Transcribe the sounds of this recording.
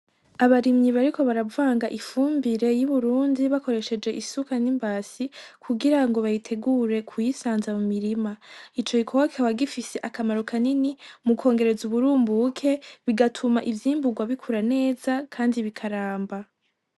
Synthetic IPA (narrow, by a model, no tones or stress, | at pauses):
aβaɾimɲiβaɾiko̞βaɾavaːŋɡaʔifuːmbiɾe̞juβuɾuːndiβako̞ɾe̞ʃe̞d͡ʒe̞ʔisukanimbaːsikʰuɡiɾaŋɡo̞βajitʰe̞ɡuɾe̞kʰujisaːnzamumiɾimait͡ʃo̞ɡikʰowakawaɡifise̞ʔakamaɾokʰaninimukʰo̞ːŋɡe̞ɾe̞zuβuɾuːmbukʰe̞βiɡatʰumaʔivjiːmbuɡwaβikʰuɾane̞ːzakʰaːndiβikʰaɾaːmba